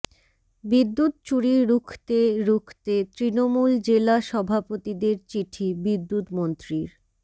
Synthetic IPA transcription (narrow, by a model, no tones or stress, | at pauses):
bid̪ːut̪t͡ɕuɽiɾukʰt̪eɾukʰt̪et̪ɾinomuld͡ʑelaʃɔbʱapot̪id̪eɾt͡ɕiʈʰibid̪ːut̪mont̪ɾiɾ